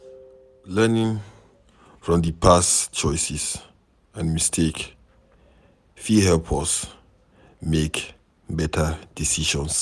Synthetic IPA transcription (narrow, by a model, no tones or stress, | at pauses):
lɛnĩŋ | fɹɔ̃mdəpʰast͡ʃɔɪsis | ãnmistʰek | fihɛlpʰɔs | mek | bɛtʰəd̥isiʃɔ̃ns